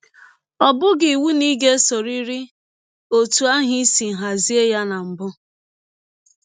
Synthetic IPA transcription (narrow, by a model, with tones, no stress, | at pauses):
ɔ˨bʊ˦ɡɪ˨wu˦ni˦ɡe˦so˨ɾi˦ɾi˦ | o˨tu˨a˦ɦi˦si˨ɦa˨zi˦e˦ja˦na˨m̩˨bʊ˦